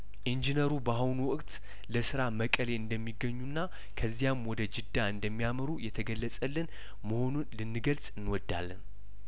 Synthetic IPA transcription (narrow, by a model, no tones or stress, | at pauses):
ʔind͡ʒinəɾubahwnwɔkʼt̪ | ləsɨɾaməkʼəle̞ɨnd̪əmːiɡːəɲːunːa | kʰəzːijamwɔd̪əd͡ʒɨd̪ːaɨnd̪əmːijaməɾujɛt̪ʰəɡəlːəsʼəlːɨn | məho̞nunlɨnːɨɡəlsʼɨnːwɔd̪ːa̰lːən